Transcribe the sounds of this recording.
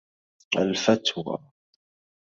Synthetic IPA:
alfat̪wa̰

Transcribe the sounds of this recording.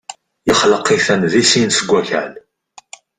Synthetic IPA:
jəχləqːiθænðisinsəɡʷːæçə̰l

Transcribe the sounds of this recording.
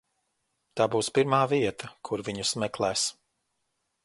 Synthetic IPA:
t̪aːbuːspiɾmaːviɛt̪ɐkʰuɾviɲusmɛklˠɛːs

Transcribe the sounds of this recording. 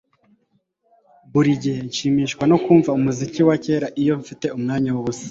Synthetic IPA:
buɾiɟeɲʃiːmiːʃkwano̞kuːɱvaumuziciwace̞ːɾaʔijo̞ɱfite̞umŋaːɲawoβusḁ

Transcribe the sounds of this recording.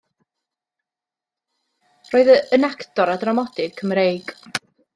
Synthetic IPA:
roːɨðəənakʰtɔɾadramɔdɪɡ̚kʰːəmɾejɡ̥

